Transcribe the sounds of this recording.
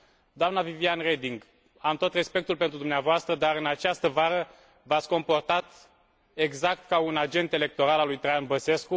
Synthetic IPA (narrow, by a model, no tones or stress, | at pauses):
d̪oamnavivianred̪iŋɡ | amt̪o̞t̪re̞spe̞k̚t̪ulpet̪ɾud̪umneavoast̪ɾəd̪aɾɨnat͡ʃast̪əvaɾə | vat̪sʲko̞mpo̞rt̪at̪ | e̞ɡzakt̪kaunad͡ʒe̞nt̪e̞le̞k̚t̪o̞ɾalalujt̪ɾajanbəse̞sku